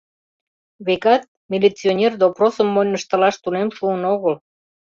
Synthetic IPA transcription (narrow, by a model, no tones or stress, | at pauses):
βekɑt̪̚mʲilʲit͡sionʲerd̪oprosəmːojnːəʃt̪ə̆lɑʃt̪unemʃuənoɣəl